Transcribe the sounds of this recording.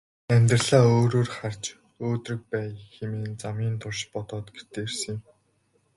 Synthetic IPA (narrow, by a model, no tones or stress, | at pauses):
æmʲt̪rɮaːoːɾoːrχar̥t͡ɕ | oːt̪rɵ̆k̚pæːxemeːnt͡samʲiːnt̪ʰʊrʃpɔt̪ɔːt̪ɡe̥t̪ʰeːrsɘ̆ŋjɪ̆m